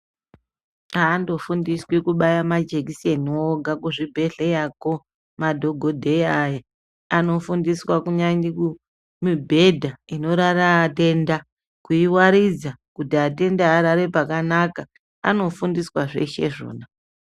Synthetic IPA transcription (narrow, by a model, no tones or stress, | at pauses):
aːndo̞fundiswikuɓajamad͡ʒekisenioɡʱakuʐibʱe̞ɮejako | madʱo̞ɡʱo̞dʱeaja | ano̞fundiswakuɲaŋiku | mibʱe̞dʱaino̞ɾaraːte̞nda | kuiwaɾid͡zakutiate̞ndaːɾaɾe̞pakanaka | a̰no̞fundiswaʐe̞̰ʃe̞̰ʐo̰ːna